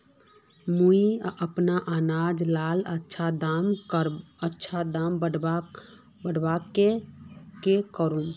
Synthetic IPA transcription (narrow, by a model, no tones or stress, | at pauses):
muiʔəpnaʔanad͡ʒlalətːʃʰad̪aməɾ | ətːʃʰad̪ambəɖ | bəɽbakekekəɾũn